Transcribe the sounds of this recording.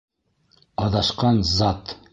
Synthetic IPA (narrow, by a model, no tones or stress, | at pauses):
ɑðɑʃqɑnzɑt̪